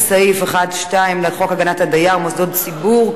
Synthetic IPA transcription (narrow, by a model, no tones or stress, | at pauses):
saifeχadʃtaimleχokaɡanathadajaʁmosdodsibuʁ